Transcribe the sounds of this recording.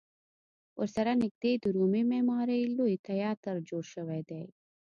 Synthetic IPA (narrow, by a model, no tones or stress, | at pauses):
ʊ̰ɾsɐɾanɪk̚d̪ed̪uɾumemeːmɑːɾeloit̪ɐjɑːɾt̪əɾd͡ʒoːɽʃəwed̪ej